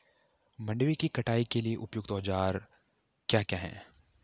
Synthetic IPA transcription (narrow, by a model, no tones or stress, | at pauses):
mɐ̃ɳɖʋikikɐʈʰaːikelieʔʊpjʊɡt̪ɔːd͡ʒaːɾ | kjaːkjaːɦɛ̰̃ː